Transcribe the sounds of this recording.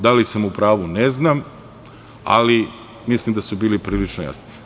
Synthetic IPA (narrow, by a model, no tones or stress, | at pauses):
d̪alisamupɾaːʋuneznam | a̰li | mislimd̪asubiːlipɾiːlit͡ʃnoja̰sni